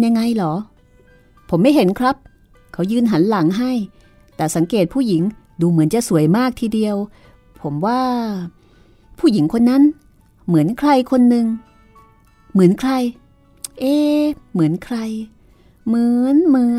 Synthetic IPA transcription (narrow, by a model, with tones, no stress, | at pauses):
ja˧ŋːa˧jlɔː˩˦ | pʰo˩˦mːa˥˩jɦe˩˦nkʰɾa˦˥p̚ | kʰa˧˥wjɯː˧nɦa˩˦nla˩˦ŋɦa˥˩j | t̪ɛː˨˩sa˩˦ŋkeː˨˩t̪̚pʰuː˥˩ji˩˦ŋ | duː˧mɯ˩˦ənt͡ɕa˨˩ʔsu˨˩˦əjmaː˥˩k̚t̪ʰiː˧˩di˧əw | pʰo˩˦mwaː˥˩ | pʰuː˥˩ji˩˦ŋkʰo˧nːa˦˥n | mɯ˩˦ənkʰɾa˧jkʰo˧nːɯ˧ŋ | mɯ˩˦ənkʰɾa˧j | ʔeː˧mɯ˩˦ənkʰɾa˧j | mɯː˩˦nmɯː˨˩